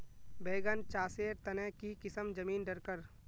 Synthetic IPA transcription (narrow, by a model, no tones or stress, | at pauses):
beːɡənt͡ʃaːseːɾt̪ɐnɛ̃ːkikɪsəmd͡ʒɐmiːnɖɐɾkəɾ